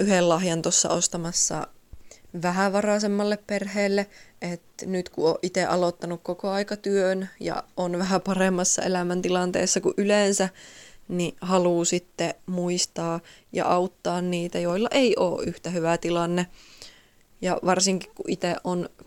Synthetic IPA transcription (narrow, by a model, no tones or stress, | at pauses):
ʔyhellɑhjɑnt̪osːɑ̰ost̪ɑmɑsːɑ̰ | ʋæhæʋɑrɑsemːɑlːepperheːlːeʔet̪nyt̪kuʔoːʔit̪eʔɑlot̪ːɑnukkokoɑikɑt̪yønjɑ̰ʔonʋæɦæpɑremːɑsːɑ̰elæmænt̪ilɑnt̪ḛːsːɑkuʔylensænihɑluːsit̪ːemuist̪ɑː | jɑ̰ʔɑut̪ːɑːnniːt̪æjoilːɑʔeiʔoːʔʔyht̪æhyʋæt̪ilɑnːe | jɑʋɑrsiŋkikkuʔit̪eʔʔon